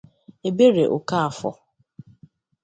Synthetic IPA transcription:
e˨be˦ɾe˨ʔo˨ka˦a˨fɔ̰˨

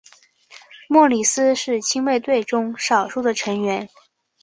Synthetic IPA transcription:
mwɔ˥˩li˨˩sɹ̩˥ʂɻ̩˥˩t͡ɕʰi˥ŋwe˥˧ɪt̪we˥˩ɪʈ͡ʂʊ˥ŋʂɑ˨˩ʊʂu˥˩d̪ə˨ʈ͡ʂʰɤ˧˥ŋɥɛ˧˥n

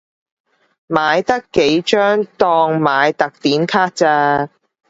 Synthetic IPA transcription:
maː˨˧jt̪ɐ˥kːe˨˥jt͡ʃœː˥ŋt̪ɔː˧ŋmaː˨˧jt̪ɐ˨k̚t̪iː˨˥nkʰaː˥k̚t͡saː˧

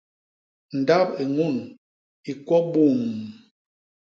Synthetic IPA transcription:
n̩˨da˦pe˨ŋu˦˨n | i˨kwɔ˦ɓu˦˨ŋ

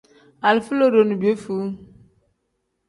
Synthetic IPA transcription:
a˨lfu˦lo˦ɾo˨nu˨be˦fu˦

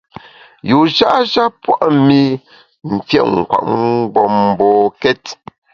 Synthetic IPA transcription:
ju˨ʒa˦ʔʒa˦pwa˦ʔmi˦ | m̩˨fjɛ̰˦ʔŋ̩˨kwa̰˨ʔŋbɔ˨m˦˨bɔː˨kɛ˦t

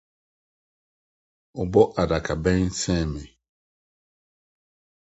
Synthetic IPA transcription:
ʊ˨bɔ˦ʔa˨da˨kʰa˨bɛ̃˦ŋ˦sɛ̃˦˨mɛ˨

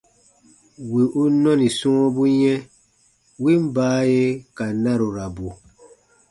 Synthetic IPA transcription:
wi˨ʔu˦nɔ̃˦ni˨sũ˦bu˦jɛ̃˦ | wi˦m˦baː˦je˦ka˨nã˦ɾu˨ɾa˨bu˨

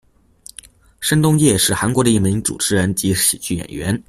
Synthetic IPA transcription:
ʂə˥nt̪ʊ˥ŋjɛ˥˧ʂɻ̩˥˩xa˧˥nkwɔ˧˥d̪ə˧i˥˩mi˧˥ŋt͡sṵ˨˩ʈ͡ʂʰɻ̩˧˥ɻə˧˥nt͡ɕi˧˥ɕḭ˨˩t͡ɕy˥˩jɛ̰˨˩nɥɛ˧˥n

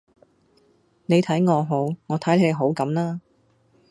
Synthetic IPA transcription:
ne˨˧jt̪ʰɐ˨˥jŋɔː˨˧ɦo˨˥wŋɔː˨˧t̪ʰɐ˨˥jle˨˥le˨˧jɦo˨˥wkɐ˨˥mlaː˥

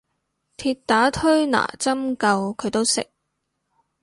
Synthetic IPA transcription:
t̪ʰiː˧t̚t̪ːaː˨˥t̪ʰɵ˥ɥna̰ː˨˩t͡sɐ˥mkɐ˧wkʰɵ˨˧ɥt̪o˥wsɪ̰˨k̚

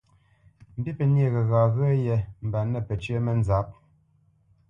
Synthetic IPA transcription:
m̩˨bi˦pɛ˨nje˦˨ɣɛ˨ɣa˨ɣə˦jɛ˨m̩˨ba˨nɛ˦˨pɛ˨t͡ʃə˦mɛ˦n˦za˨˦p̚

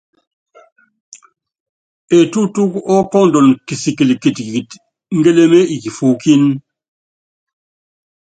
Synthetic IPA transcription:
e˨tu˦tu˦kɔ˦kɔ˦n̩˨dɔ˨nki˨si˨ki˨lki˨ti˨t | ŋ̩˦ɡe˦le˦me˦i˨ki˨fo˨ki˦n

